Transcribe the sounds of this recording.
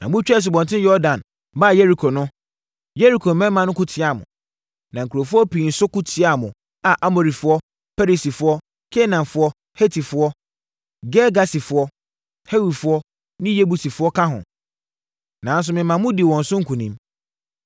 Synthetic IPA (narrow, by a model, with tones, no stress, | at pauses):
nã˨mʊ̃˦t͡ɕᶣɛ˦˨s̬ɪ˨bɔ̃˨ntʰɪ̃˦jɔ˦dã˨n | baː˦˨je˦ɾi˨kʰo˨nʊ̃˦ | je˦ɾi˨kʰo˨mɛ̃˦mã˨nʊ̃˦kʰʊ˦tʰɪ˨˦a˨mʊ̰̃˨ | nã˨ŋ̩˨kʰu˨ɾo˨fʊ˦ɔ˦pi˨n̩˨sʊ˦kʊ˦tʰɪ˨˦a˨mʊ̃˨ | a˨ʔa˦mo˨ɾi˨fʊ˦ɔ˦ | pɛ˦ɾi˨si˨fʊ˦ɔ˦ | kʰe˦nã˨mfʊ˦ɔ˦ | he˦tʰi˨fʊ˨˦ɔ˦ | ɡɛ˦ɡa˨si˨fʊ˨ɔ˦ | he˦wi˨fʊ˦ɔ˦ | nɪ̃˦je˦bu˨si˨fʊ˦ɔ˦kʰã˦ɦʊ̰̃˨ | nã˨˦n˦s̬ʊ˨˦mɪ̃˨mã˨mʊ̃˦di˨wɔ̃˨n̩˨sʊ̃˦ŋ̩˦kʰũ˨nĩ˦m